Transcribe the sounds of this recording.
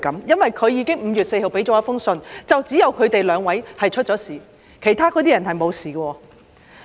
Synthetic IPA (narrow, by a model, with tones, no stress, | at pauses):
kɐ˨˥mjɐ˥nwɐ˨jkʰɵ˨˧ɥjiː˨˧˥kɪ˥ŋm̩ː˨˧jyː˨t̚se˧jho˨wpe˨˥jt͡sɔː˨˥ɐ˥fʊ˥ŋsɵ˧nt͡sɐ˨wt͡siː˨˥jɐ˨˧wkʰɵ˨˧ɥt̪e˨jlœː˨˧ŋwɐ˨˥jhɐ˨jt͡ʃʰt̚t͡sɔː˨˥siː˨ | kʰe˨˩jt̪ʰaː˥kɔː˧˥t̪iː˥jɐ˨˩nhɐ˨jmo˨˧wsiː˨kwɔː˧